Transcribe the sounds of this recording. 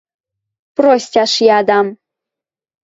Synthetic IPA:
prosʲtʲɑʂjɑd̪ɑm

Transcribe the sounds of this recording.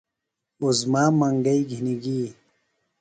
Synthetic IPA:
uzmaːmɐŋɡɐiɡʱiniɡi

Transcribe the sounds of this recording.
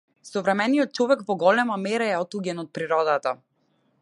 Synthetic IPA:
sɔvɾɛmɛnijɔt̪̚t͡ʃɔvɛkvɔɡɔlɛmamɛɾaɛɔt̪uɡʲɛnɔt̪̚pɾiɾɔd̪at̪a

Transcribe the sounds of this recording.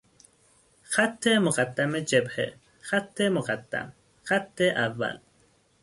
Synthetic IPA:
xat̪ʰːemʊqad̪ːamed͡ʒebhḛ | xat̪ʰːemʊqad̪ːa̰m | xat̪ʰːeʔavːa̰l

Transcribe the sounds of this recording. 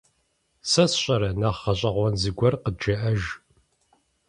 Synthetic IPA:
sɐsɕʼɐɾɐnaχːɐɕʼɐʁʷɔnzɨɡʷɐrqəd͡ʒɐʔɐʒ

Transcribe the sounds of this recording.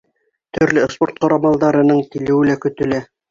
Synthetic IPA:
t̪ɵ̆ɾlɘspoɾt̪̚qɑɾɑmɑlˠd̪ɑɾɤ̆nɤɴt̪ilɘ̆wɘ̆lækɵ̆t̪ɵ̆læ

